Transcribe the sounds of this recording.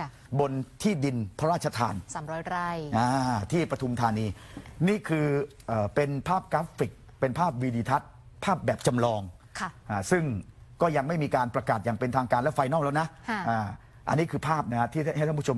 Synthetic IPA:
bo˧nt̪ʰiː˥˩di˧npʰɾa˦ɾaː˥˩t̪̚t͡ɕʰa˧t̪ʰa̰ː˧nsaː˨˦ɾɔː˦˥ɾa˧jʔaː˧˩t̪ʰiː˥˩pɾa˧t̪ʰu˧mt̪ʰaː˧niː˧niː˥˩kʰɯː˧ | ʔɤː˨˩pe˧npʰaː˥˩p̚kaː˦˥pːi˨˩k̚ | pe˧npʰaː˥˩p̚wiː˧diː˧t̪ʰa˦˥t̪̚ | pʰaː˥˩p̚bɛː˨˩p̚t͡ɕa˧mlɔː˧ŋ | kʰʔaː˧˩sɯ˥˩ŋkɔː˥˩ja˧ŋma˥˩jmiː˧kaː˧npɾa˧kaː˨˩t̪̚jaː˨˩ŋpe˧nt̪ʰaː˧ŋkaː˧nlɛ˦˥wfa˧jnɔː˥˩ŋlɛː˦˥wna˦˥ʔʰʔaː˨˩ | ʔa̰˧nːiː˦˥kʰɯː˧pʰaː˥˩p̚na˦˩kʰa˦˥t̪ʰiː˥˩a˥˩ha˥˩j̪ʰo˧

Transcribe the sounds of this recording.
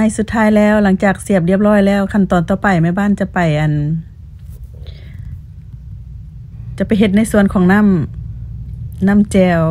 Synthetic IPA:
a˧˩jsu˧t̪ʰːaː˧˥˨jlɛː˧˩˨wla˧˦ŋt͡ɕaː˨˩k̚si˧˩əp̚li˧˩əp̚lɔː˧˥˨jlɛː˧˩˨wkʰa˧˥˨nt̪ɔː˨˩nt̪ɔː˧˩pa˨˩jma˧˩jbaː˧˥˨nt͡ɕa˧˨pa˨˩jʔa˨˩n | t͡ɕa˧˦pa˨˩jɦe˧t̪̚na˧˥˨jsu˧˨ənkʰɔː˨˦ŋna˧˥˨m | na˧˥˨mt͡ɕɛː˧˩

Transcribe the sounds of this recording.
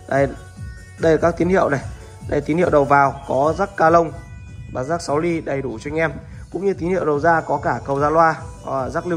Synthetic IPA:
ɗa˧˩j | ɗə˧jla˨˩kaː˦˥k̚t̪i˨˦ənhḭ˧˨əwna˨˩j | ɗa˧˨˩jt̪i˨˦nhḭ˧˨wɗə˨˩wvaː˨˩wkɔ˨˦zaː˦˥kkaː˧lə˧wŋ͡m | vaː˨˩zaː˦˥k̚sa˨˦wli˧ɗə˨˩jɗu˧˩t͡ɕɔ˧ŋ̟ʔɛ˧m | kʊ̰˧˥ŋ͡mɲɨ˧t̪̬i˨˦nhḭ˧˨wɗə˨˩wzaː˧kɔ˨˦kaː˧˩kə˨˩wza̰ː˧˥lwaː˧˨˩ | zaː˦˥k̚l

